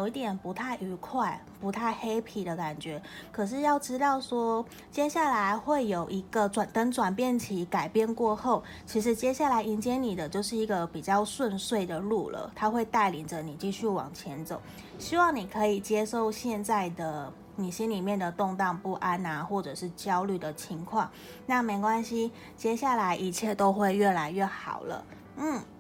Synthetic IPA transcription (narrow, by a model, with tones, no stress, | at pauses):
jo˨ʊi˥˩t̪jɛ˨˩npu˧˥t̪ʰa˥˩ɪʔy˧˥kʰwa˥˩ɪ | pu˧˥t̪ʰa˥˩ɪxe˥ɪpʰi˨˩d̪ə˨ka˨˩nt͡ɕɥɛ˧˥˦kʰɤ˨˩ʂ̬ɻ̩˥˧jɑ˥˩ʊʈ͡ʂɻ̩˥t̪ɑ˥˩ʊʂwɔ˥ | t͡ɕjɛ˥ɕja˥˩la˧˥ɪxwe˥˩ɪjo˨˩ʊʔi˧˥ɡ̥ə˧ʈ͡ʂwa˨˩ntə˧˥nʈ͡ʂwa˨˩npjɛ˥˩nt͡ɕʰi˧˥ka˨˩ɪpjɛ˥˧nkwɔ˥˧xo˥˩ʊ | t͡ɕʰi˧˥ʂ̬ɻ̩˧˥t͡ɕjɛ˥ɕja˥˩la˧ɪi˧˥nt͡ɕjɛ˥ni˨˩d̪ə˦t͡ɕjo˥˧ʊʂɻ̩˥˩i˧˥ɡə˧pi˨˩t͡ɕjɑ˥˧ʊswə˥˧nswe˥˩ɪd̪ə˩lu˥˩lə̰˩t̪ʰa˥xwe˥˧ɪt̪a˥˩ɪli˨˩ŋʈ͡ʂə˦ni˨˩t͡ɕi˥˧ɕy˥˩wɑ̰˨˩ŋt͡ɕʰjɛ˧˦˥nt͡so˨˩˦ʊ | ɕi˥wɑ˥˩ŋni˨˩kʰɤ˧˥i˨˩t͡ɕjɛ˥ʂo˥˧ʊɕjɛ˥˧nt͡sa˥˩ɪd̪ə˩ | ni˨˩ɕi˥nli˨˩mjɛ˥˩nd̪ə˩t̪ʊ˥˧ŋt̪ɑ˥˧ŋpu˥˩ʔa˥na˨xwɔ˥˩ʈ͡ʂɤ˨˩ʂɻ̩˥˩t͡ɕjɑ˥ʊly˥˩d̪ə˩t͡ɕʰi˧˥˦ŋkʰwɑ˥˩ŋ | na˥˩me˧˥ɪkwa˥nɕi˧˦ | t͡ɕjɛ˥ɕja˥˩la˧˥ɪʔi˧˩t͡ɕʰjɛ˥˩t̪o˥ʊxwe˥˧ɪɥɛ˥˩la˧˥ɪɥɛ˥˩xɑ̰˨˩ʊlə̰˦ | n̩˥˩